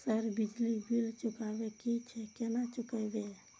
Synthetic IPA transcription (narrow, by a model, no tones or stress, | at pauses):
səɾbid͡ʒlibʱilt͡ʃukabekit͡ʃʰɛkenat͡ʃukəbe